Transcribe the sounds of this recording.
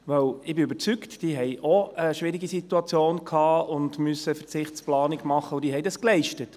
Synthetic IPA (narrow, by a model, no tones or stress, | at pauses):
ʋœwɪbɪybəɾt͡syktd̥iːɦɛjʔɔəʃʋɪɾiɡisituɑt͡sjoːnkʰhɑːʊndmysəfət͡sɪχtt͡splɑːnɪɡmɑχəʊdiːɦɛjdɑsklɛɪʃtət